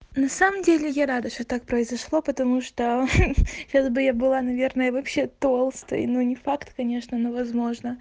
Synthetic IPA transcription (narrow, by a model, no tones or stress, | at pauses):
nɐsaməmdʲelʲɪjaɾad̪əʂt̪ot̪ak̚pɾəɪzɐʂlˠopət̪ɐmuʂt̪o | ɕasbɨjabɨlˠanɐvʲe̞rnəjəvɐpɕet̪o̞lˠst̪ə̰jnunʲɪfakt̪kɐnʲe̞ʂnənovɐzmo̞ʐnə